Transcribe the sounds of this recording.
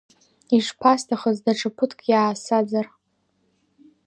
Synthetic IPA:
iʂpʰastʰaχəzdaʈ͡ʂʰʼapʰɨtʰkʼjaːsad͡zar

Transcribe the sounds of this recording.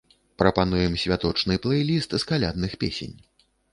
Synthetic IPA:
pɾɐpanujɛmsʲvʲat̪ɔt͡ʂnɨplˠɛjlʲist̪skalʲa̰d̪̚nɨxpʲesʲḛnʲ

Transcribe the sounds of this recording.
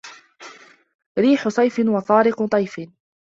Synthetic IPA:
ɾiːħʊsˤɑjfɪnwɑθˤɑːɾɪqt̪ˤɑjfɪ

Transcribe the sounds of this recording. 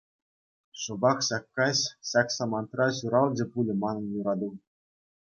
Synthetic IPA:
ʂɤ̆bɑkɕɑkːɑɕɕɑkʲsɑmɑnt̪rɑɕuɾɑlˠd͡ʑĕpulʲɘ̆mɑnɤ̆njuɾɑd̪ɤ̆w

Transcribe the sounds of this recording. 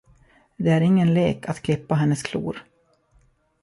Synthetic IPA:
d̪ɛæɾɪŋːənleːkat̪kʰlɪpːaɦɛnːəskʰlṵːɾ

